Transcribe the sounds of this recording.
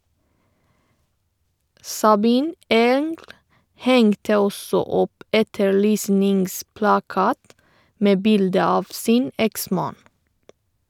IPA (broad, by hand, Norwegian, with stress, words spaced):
sɑˈbiːn ˈeːŋɡl ˈhɛŋtə ˈɔsɔ ˈɔp ˈʔɛtəɹˌlyːsnɪŋsplɑˌkɑːt ˈmeː ˈbɪldə ˈɑːʋ ˈsiːn ˈɛkˌsmɑːn